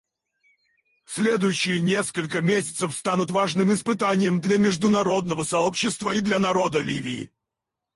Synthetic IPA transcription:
sʲlʲed̪ʊjʉɕːɪjənʲe̞skəlʲkəmʲesʲɪ̥t̪səfst̪anʊt̪vaʐnɨmɪspɨt̪anʲɪjəmd̪lʲɐmʲɪʐd̪ʊnɐɾo̞d̪nəvəsɐopɕːɪst̪vəid̪lʲanɐɾo̞d̪əlʲivʲɪːɪ̰

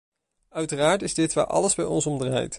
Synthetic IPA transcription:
œɥtəraːɹtɪzdɪtʋaːɹʔɑ̰ləzbɛjɔnsɔmdra̰ːjt

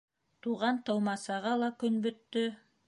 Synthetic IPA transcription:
t̪uʁɑnt̪ɤ̆wmɑsɑʁɑlˠɑkɵnbɵ̆t̪ːɵ

